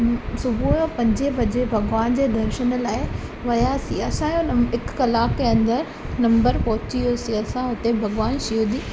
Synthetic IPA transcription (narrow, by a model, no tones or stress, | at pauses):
sʊbʱujopɐ̃ɲd͡ʑebɐd͡ʑebʱɐɡʋaːnd͡ʑeːd̪ɐɾʃənə̆laːɪ | ʋɐjasiɐsãjonɐmɪkkɐlaːkeɐ̃nd̪əɾ | nɐ̃mbəɾpɐɦʊt͡ɕijosiɐsãʊt̪ebʱɐɡʋaːnʃijuːd̪iː